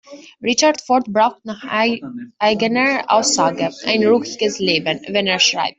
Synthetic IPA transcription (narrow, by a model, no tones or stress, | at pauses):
ʁɪt͡ʃatfɔɹtbʁaʊxtnaχ | ʔaɪɡənəʔa̰ʊsaːɡəʔa̰ɪnʁukɪɡ̥əsleːbənvɛneːɐʃʁ̥a̰ɪp̚t